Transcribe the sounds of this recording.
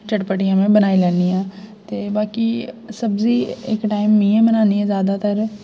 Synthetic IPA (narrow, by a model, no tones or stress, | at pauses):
t͡ʃəʈpəʈɪjãːmẽːbənaːilɛːnijãːt̪eːbaːkisəbziːɪ̰kʈaːɪmːĩẽːbənãːniɛ̃ːzjaːd̪aːt̪əɾ